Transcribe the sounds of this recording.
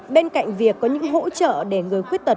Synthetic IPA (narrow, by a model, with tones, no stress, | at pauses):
ɓe˧nka̰˧˨jŋ̟vi˨˩əkːɔ˨˦ɲɨ̰˧˥ŋɦo̰˧˥t͡ɕə̰ː˧˨ɗe˧˩ŋɨ˨˩əjxwi˦˥ət̚t̪ə˨˩